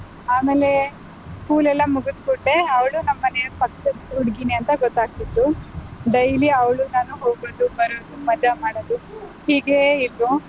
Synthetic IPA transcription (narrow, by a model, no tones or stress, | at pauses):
aːme̞ːle̞ | skuːlɛlːɐmuɡut̪kuʈːeɐʋɭunɐmːɐnepɐkːɐuɽɡiniɐnt̪ɐɡɔt̪ːaːɡ̚t̪id̪ːuɖɐjliɐʋɭunaːnuɦoːɡoːd̪ubɐɾoːd̪umɐd͡ʒɐmaːɽod̪uhiːɡeid̪ɾu